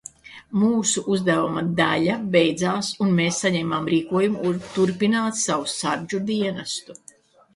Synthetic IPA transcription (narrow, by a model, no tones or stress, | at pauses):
muːsuʔuzd̪avumɐd̪aʎabejd̪zaːsunmeːsːaɲɛːmaːmɾiːkuɔjumɾt̪uɾpinaːt̪sawusaɾd͡ʒud̪iɛnast̪u